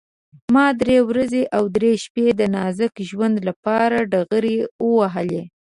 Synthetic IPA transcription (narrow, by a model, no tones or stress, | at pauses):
mɑd̪ɾewɾazeʔawd̪ɾeʃped̪ənɑzəkʒwand̪lapɑɾaɖaɣəɾewəwaɦəle